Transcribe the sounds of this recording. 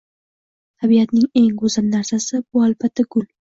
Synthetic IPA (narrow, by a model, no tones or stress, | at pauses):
t̪ʰabiat̪nɪŋe̞ŋɡʊzamnaɾsasɪbʊalbat̪ʰːaɡʊl